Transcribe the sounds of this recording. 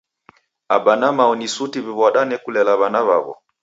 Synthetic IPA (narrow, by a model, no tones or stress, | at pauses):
abanamaɔnisutiβiβɔɗanɛkulɛlaβanaβa̰βɔ̰